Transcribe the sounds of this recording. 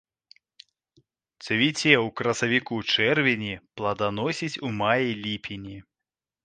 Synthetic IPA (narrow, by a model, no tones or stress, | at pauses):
t͡s̪ʲɐvʲit͡sʲɛukɾɐsɐvʲikut͡ʂɛrvʲenʲiplˠɐd̪anɔsʲit͡sʲumajilʲipʲinʲi